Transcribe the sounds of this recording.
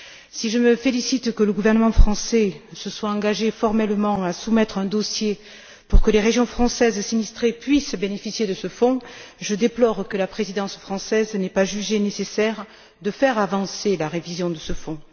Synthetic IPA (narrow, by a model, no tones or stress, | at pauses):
siʒəməfelisit̪kələɡuvɛʁnəmɑ̃fχɑ̃sɛsəswaɑ̃ɡaʒefɔʁmɛlmɑ̃asumɛt̪χɛ̃d̪ɔsje | puʁkəleʁeʒjɔ̃fχɑ̃sɛzsinist̪χepɥisbenefisjed̪əsəfɔ̃ʒəd̪eplɔʁkəlapχezid̪ɑ̃sfχɑ̃sɛznɛpaʒyʒenesesɛʁ | d̪əfɛʁavɑ̃selaʁevizjɔ̃d̪əsəfɔ̃